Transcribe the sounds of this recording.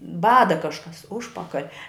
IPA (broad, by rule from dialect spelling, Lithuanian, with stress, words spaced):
ˈbɑːdɐ ˈkɑːʃkɐs ˈʊʃpɐkɐlʲ